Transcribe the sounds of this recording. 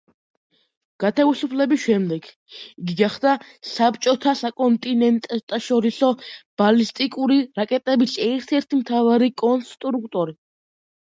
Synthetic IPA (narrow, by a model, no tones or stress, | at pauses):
ɡ̥at̪ʰavisupʰlɛbisʃɛmd̪ɛɡ | iɡiɡaχd̪asapʰt͡ʃʼɔt̪ʰasakʼɔnt̪ʼinɛnt̪ʼt̪ʼaʃɔɾisɔb̥alist̪ʼikʼuɾiɾakʼɛt̪ʼɛbisɛɾt̪ʰɛɾt̪ʰimt̪ʰavaɾikʼɔnst̪ʼɾukʰt̪ʼɔɾi